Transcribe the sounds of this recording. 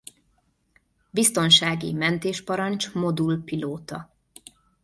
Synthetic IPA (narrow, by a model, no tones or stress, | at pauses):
bist̪o̞nʃaːɡḭmɛnt̪eːʃpɒɾɒnt͡ʃmo̞d̪ulpiloːt̪ɒ̰